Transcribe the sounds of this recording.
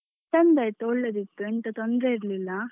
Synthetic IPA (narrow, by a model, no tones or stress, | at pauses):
t̪ɐnd̪ɐjt̪ooɭːed̪it̪ːuɛnt̪ɐt̪ond̪ɾeiɾlilːɐ